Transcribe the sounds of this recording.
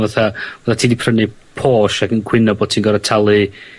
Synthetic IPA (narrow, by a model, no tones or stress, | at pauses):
vaθavaθatʰiːndipʰrənɨ | pʰoːʃakənkʰwɪnɔboːd̥̚tʰiːnɡɔɾatʰalˠɨ